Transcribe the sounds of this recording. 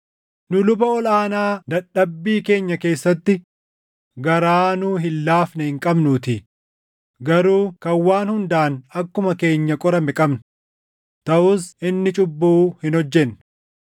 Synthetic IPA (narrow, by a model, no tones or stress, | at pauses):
nʊlʊbɐɔlaːnaːd̪ɐɗːɐbːiːke̞ːɲːɐke̞ːsːɐt̪ːɪ | ɡɐɾaːnʊːɦɪlːaːfnɐhɪŋkʼɐbnuːt̪ɪ | ɡɐɾuːkɐwːaːnhʊnd̪aːnɐkːʊmɐke̞ːɲːɐkʼɔɾɐmɛkʼɐbnʊ | t̪ɐʔʊsʔɪnːɪt͡ʃʼʊbːuːhɪnhɔd͡ʒːɛn